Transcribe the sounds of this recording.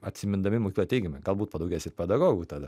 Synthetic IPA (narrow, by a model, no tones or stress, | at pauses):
ɐt̪ʲsʲɪmʲɪnd̪ɐmʲɪmokʲiklˠɛt̪ʲɛɪɡʲɪmʲɛɡɐlˠbuːt̪̚pɐd̪ɐʊɡʲɛːsʲɪɾpʲɛd̪ɐɡoːɡuːt̪ɐd̪ɐ